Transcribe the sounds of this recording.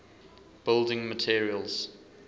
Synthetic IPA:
b̥ɪlˠdɪ̃ŋmətʰiəɹiəlˠz̥

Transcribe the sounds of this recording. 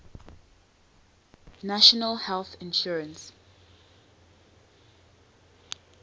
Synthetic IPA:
naʃɔnəlhɛlθɪ̃nʃɔɹə̃ns

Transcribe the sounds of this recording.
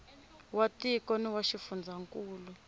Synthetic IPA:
watikɔniwaʃifund͡zʱaŋkʼuːlu

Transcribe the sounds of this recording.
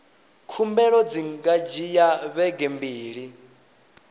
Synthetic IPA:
kʰumbɛɺɔd͡ziŋɡad͡ʒijaβɛɡɛmbiːɺi

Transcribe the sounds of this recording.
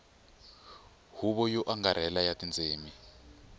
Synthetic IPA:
huβɔjɔʔaŋɡaɾɛlajatind͡zʱeːmi

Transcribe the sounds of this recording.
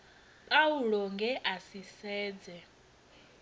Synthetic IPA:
pʼauɺɔŋɡɛʔasisɛːd͡zɛ

